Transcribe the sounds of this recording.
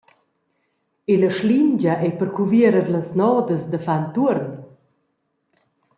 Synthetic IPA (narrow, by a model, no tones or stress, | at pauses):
eləʃliɲd͡ʑɐʔɛpəɾkuviəɾəɾləsnɔːd̪əsd̪əfant̪uəɾn